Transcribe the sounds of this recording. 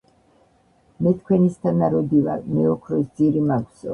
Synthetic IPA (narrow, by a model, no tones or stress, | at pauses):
mɛt̪ʰkʰwɛnist̪ʰanaɾɔd̪iva̰ɾmɛɔkʰɾɔsd̪ziɾimaɡzɔ